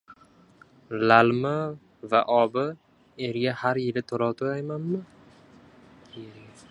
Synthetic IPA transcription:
lalma | va̰ʔɒbɪ | eɾɡʲahaɾjɪlɪt̪ʰoɾɒwt̪ʰojajmanmɪ | eɾɡʲa

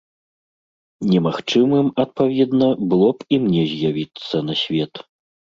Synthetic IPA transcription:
nʲɛmaxt͡ʂɨmɨmɐt̪̚pavʲɛd̪nɐbɨlˠɔpimnʲɛzʲjavʲit̪sːɐnɐsʲvʲɛt̪

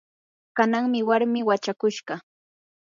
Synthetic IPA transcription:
kanaŋmɪwaɾmɪwat͡ʃakʊʃɢɑ

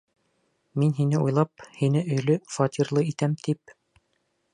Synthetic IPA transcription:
minɦinɘujlˠɑp̚hinɘɵ̆jlɵfɑt̪ʲiɾlˠɤit̪æmt̪ʰip̚

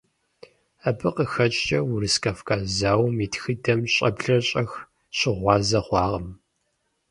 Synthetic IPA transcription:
abɨqəxɐt͡ʃʼt͡ʃʼɐwʊɾɨskʰafkʰaːzaːwmitxɨdɐmɕʼɐbɮɐɕʼɐx | ɕɪʁʷɑːzɐχʷɑːʁɐm

